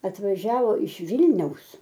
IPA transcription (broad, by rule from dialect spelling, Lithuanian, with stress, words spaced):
ɐtʋɐˈʒʲæːʋoː ɪʃ ˈʋʲɪlʲnʲɛʊs